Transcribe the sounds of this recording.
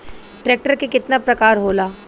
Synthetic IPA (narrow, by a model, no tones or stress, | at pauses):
ʈɾɛːk̚ʈəɾkekɪt̪napɾɐkaːɾɦoːlaː